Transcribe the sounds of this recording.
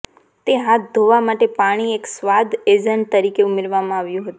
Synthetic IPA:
t̪eɦat̪̚ʰd̪ʱoʋamaʈepaɽ̃ieksʋad̪ʱed͡ʒəɳʈ̚t̪əɾikeumeɾʋamãaʋjũɦət̪u

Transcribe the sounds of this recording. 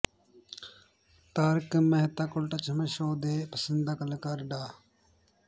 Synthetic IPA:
t̪aːɾkəməɦt̪aːkʊlʈat͡ʃʰəməʃoːd̪eːpəsənd̪aːkəlkaɾɖaː

